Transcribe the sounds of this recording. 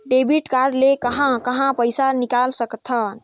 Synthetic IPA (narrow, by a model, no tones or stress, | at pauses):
ɖebiʈkaɾlekəɦãkəɦãpəjsanikalsəkt̪ʰən